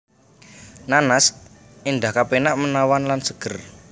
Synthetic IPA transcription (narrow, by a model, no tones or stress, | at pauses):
nanas | inɖ̪ahkapenaʔmənawanlansə̥ɡ̥ər